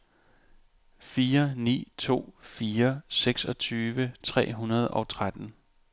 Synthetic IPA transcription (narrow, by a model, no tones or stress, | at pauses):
fiːɐnḭːt͡sʰo̝̰ːfiːɐseɡ̥sɒ̽t͡sʰyːʋət͡sʰʁɛ̰ːɦunɐð̞ˠɒ̽t͡sʰʁad̥n̩